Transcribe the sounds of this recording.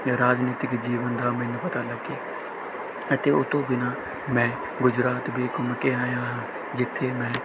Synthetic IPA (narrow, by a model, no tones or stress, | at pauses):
ɾaːd͡ʒniːt̪ɪkd͡ʒiːʋənd̪aːmɛ̃ːnũːpət̪aːləɡeː | ət̪eːʊt̪õːbɪnaː | mɛ̃ː | ɡʊd͡ʒɾaːt̪bʱiːkʊmkeːaːjãːɦãː | d͡ʒɪt̪ʰːeːmɛ̃ː